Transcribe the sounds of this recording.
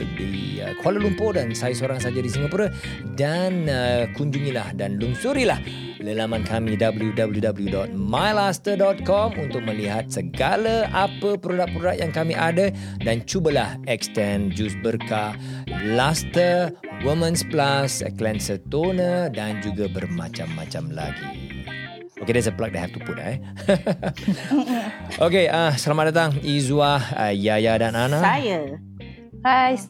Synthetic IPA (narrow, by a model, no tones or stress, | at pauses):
dḭ | ə̰kʰoaləlumpʊdansajisoɾaŋsad͡ʒadisiŋapuɾə | danəkuɲd͡ʒuŋĩlahdanluŋsuɾilah | ləlamãnkamĩdabəljudabəljudabəljudɔt̪̚majlast̪ədɔt̪̚kɔmunt̪ʊk̚mə̃liɦat̪̚səɡaləʔapəpɾodak̚pɾodaʔ̚jaŋkamiʔadə | dant͡ʃubəlahɛk̚st̪ɛnd͡ʒusbərkalast̪ə | wimə̃nsplasə̰klɛnsət̪onədand͡ʒuɡabərmã̰t͡ʃamːã̰t͡ʃamla̰ɡḭ | okedɛsəplak̚daɦɛf̚t̪upuna̰j | ʔokeʔəsəlamaʔ̚dat̪̬aŋizuahjajadananãajə | ajs